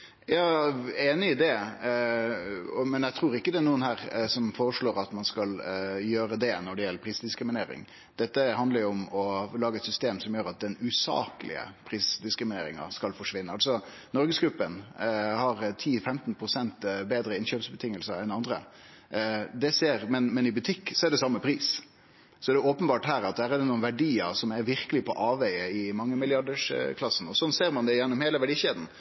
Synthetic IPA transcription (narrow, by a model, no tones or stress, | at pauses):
jɑːeːnɪɪd̪ɛ | ɔmɛnæt̪ʰɾuːɾɪkːəd̪ɛæɾnuːənhæːɾsɔmfoːɾəʂɭoːɾɑt̪mɑnskɑljøːɾəd̪ɛnɔɖɛjɛlːəɾpʰɾiːsd̪ɪskɾɪmɪneːɾɪ̰ŋ | d̪̥ɛt̪ːəɦɑnd̪əɾjʊʊmɔlɑːɡəɛt̪sʏst̪eːmsɔmjøːɾɑt̪̚d̪ɛnʉsɑ̰ːkəlʔɪ̰ə̰pʰɾiːsd̪ɪskɾɪmɪnḛːɾɪŋɑ̰skɑlfɔʂʋɪnːəɑlsɔ | nɔɾɡəsɡɾʉpːənhɑɾt̪ʰiːfɛmt̪npʰɾʊsɛnt̪beːd̪ɾəɪnɕøːpsbət̪ʰɪŋːəlsəɾɛnɑnd̪ɾə̰ | d̪ɛseːɾmɛnmɛnɪbʉt̪ʰɪkːsɔɛæɖɛsɑmːəpʰɾiːs | sɔɛd̪ɛoːpənbɑːʈɦæːɾɑt̪̚d̪æːɾɛd̪ɛnuːənʋæɖiːəɾsɔmæɾʋɪɾkəlɪpʰɔʔɑːʋæɪəɪmɑŋːəmɪljɑɖəʂkʰlɑsːn̩ɔsɔnseːɾmɑnd̪ɛjɛnːʊmheːləʋæɖiːɕeːd̪n̩